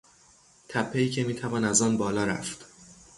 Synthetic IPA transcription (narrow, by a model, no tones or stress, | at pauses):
t̪ʰæpʰːeiːcʰe̞miːt̪ʰævɒːnæzɒːnbɒːlɒːɾæ̰ft̪